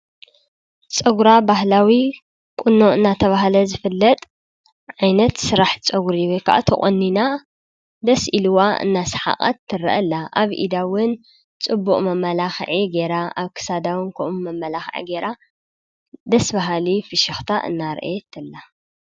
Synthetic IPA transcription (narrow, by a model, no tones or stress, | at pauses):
t͡sʼɐɡɾabahlawi | kʼʊnːoʔɨnːat̪ʰɐβaɦalɐzɨfɨlːɐt̪ʼ | ʕajnɐt̪sɨɾaħt͡sʼɐɡuɾiwojkʰa̰ʔa̰t̪ʰɐχʼonːina | d̪ɐsʔiluwaɨ̰nːasɐ̥ħa̰qʼa̰t̪ʰːɨɾɐʔɐ̰lːaʔaβʔḭd̪awʊn | t͡sʼɨbːuqʼmɐmːɐlaxʕiɡe̞ɾaaβkʰɨ̥sad̪awɨnkʰoʔumɐmːɐlaxʕḭɡeɾʔa | d̪ɐsbaɦalifɨʃɐxt̪ʰaʔɨ̰nːaɾ̰ʔet̪ʰɨlːa